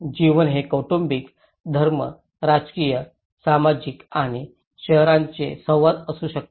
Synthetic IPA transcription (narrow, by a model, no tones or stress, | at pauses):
d͡ʑiʋənɦekoʈumbik | d̪ʱəɾmə̰ | ɾad͡zkijə | samad͡ʑikaɽ̃i | ɕəɦɾãɲt͡sḛsəʋat̪əsuːɕək̚